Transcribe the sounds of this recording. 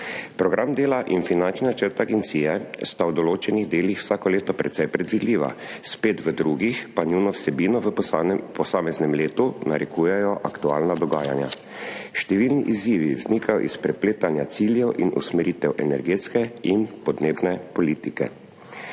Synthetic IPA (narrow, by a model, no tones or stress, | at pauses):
pɾɔɡɾʔamd̪eːlaʔinfinant͡ʃninat͡ʃəɾt̪aɡɛnt̪siːjɛst̪awd̪ɔloːt͡ʃɛniɣd̪eːlixw̥saːkɔleːt̪ɔpɾɛ̰t̪sɛjpɾɛd̪ʋid̪liːʋa̰speːt̪ʋəd̪ɾuɡixpanunɔwsɛbiːnɔ | pɔsaːmɛznɛmleːt̪unaɾɛkuːjɛjɔʔakt̪uaːlnad̪ɔɡaːjanja̰ | ʃt̪ɛʋilniʔiziːʋiwznikʰajɔ̰ʔispɾɛpleːt̪anjat̪siljɛwʔḭnʔṵsmɛɾit̪ɛwʔɛnɛɾɡeːt̪skɛinpɔd̪neːbnɛpɔliːt̪ikɛ̰